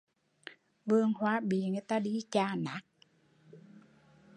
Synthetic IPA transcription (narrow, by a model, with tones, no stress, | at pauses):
vɨ˧əŋhwaː˨˦ɓi˨˩əŋɨ˧˨˦t̪aː˧ɗi˧t͡ɕaː˧˩na˨˦k̚